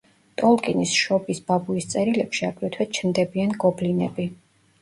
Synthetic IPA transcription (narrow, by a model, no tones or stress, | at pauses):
t̪ʼɔlˠkʼinisʃɔbisb̥abuist̪sʼɛɾilɛpʃiaɡʼɾɛt̪ʰwɛt͡ʃʰnd̪ɛbianɡɔblinɛbi